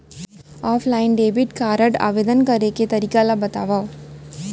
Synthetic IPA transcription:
ɔːpʰlaːɪnɖeːbɪʈkaːɾəɖa̰ːʋeːd̪ənkɐɾeket̪ɐɾiːkalabɐt̪aːʋa

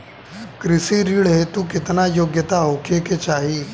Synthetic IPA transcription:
kɾɪsiɾiːɽɦet̪ukɪt̪najoːɡjət̪aɦoːkʰeket͡ʃaːɦiː

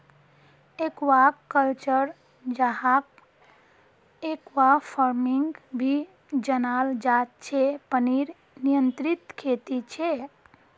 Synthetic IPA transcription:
ekwakːəlt͡ʃəɾ | d͡ʒaɦak | ekwapʰəɾmiŋɡbʱi | d͡ʒənald͡ʒat̪̚t͡ʃʰepəniɾ | nijənt̪ɾit̪kʰet̪it͡ʃʰe

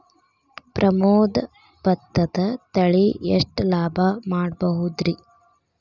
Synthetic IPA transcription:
pɾʔɐmoːd̪ɐ | bɐt̪ːɐd̪ɐt̪ɐɭiḛʂʈlaːbʱɐmaːɽbɐɦud̪ɾi

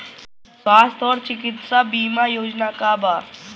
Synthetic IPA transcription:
sʋaːst̪ɔːɾt͡ʃɪkɪt̪sabiːmajoːd͡ʒnakaba

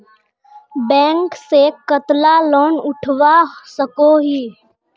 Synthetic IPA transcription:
bɛ̃ːŋksekət̪laloːnʊʈʰwasəkoɦiː

